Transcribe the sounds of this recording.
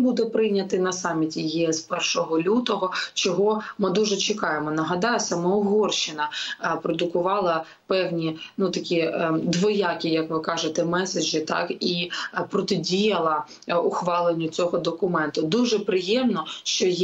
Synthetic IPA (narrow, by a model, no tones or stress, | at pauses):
bud̪ɛpɾɪjnʲːɐt̪ɪnɐsɑmʲːitʲijiɛspɛrʃɔɦɔlʲut̪ɔɦɔt͡ʃɔɦɔmɪd̪uʒɛt͡ʃɪkɑjemɔnɐɦɐd̪ɑjɛsɐmɔɔɦɔrʃɪnɐpɾɔd̪ʊkʊʋɑlˠɐ | pɛwnʲinut̪ɐkʲid̪ʋɔjɑkʲijɐkʋɪkɑʒet̪ɛmɛsɐd͡ʒɪt̪ɑ̰kipɾɔt̪ɪdʲijɐlˠɐ | ʊxʋɑlˠenʲːʊt͡sʲɔɦɔd̪ɔkʊmɛnt̪ʊd̪uʒɛpɾɪjɛmnɔʃt͡ʃɔj